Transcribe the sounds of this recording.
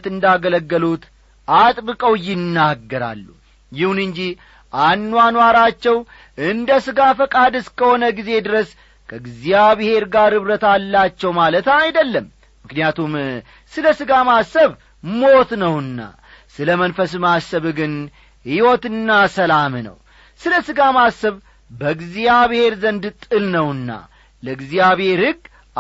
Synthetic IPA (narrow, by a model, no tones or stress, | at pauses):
t̪ɨnd̪aɡələɡːəlut̪ | at̪ʼbɨkʼəwjɪnːaɡːəɾa̰lːṵ | jɪhunɨɲd͡ʒi | ʔanːuanwaɾat͡ʃːɛw | ɨnd̪əsɨɡafəkʼad̪ɨskʰəho̞nəɡize̞d̪ɨɾəs | kʰəɡzjaβihe̞ɾɡaɾhɨβɾət̪alːat͡ʃːɛwmalət̪ajd̪əlːəmː | ɨknijat̪ʰum | sɨləsɨɡamasːəβ | mo̞t̪nəwɨnːa̰ | sɨləmənfəs̬masəβɡɨn | hiwɔt̪ɨnːasəlamnə̰w | sɨləsɨɡamasəβ | bəɡzijaβhe̞ɾzənd̪t̪ʼɨlnəwɨnːa̰ | ləɡzijaβhe̞ɾhɨɡ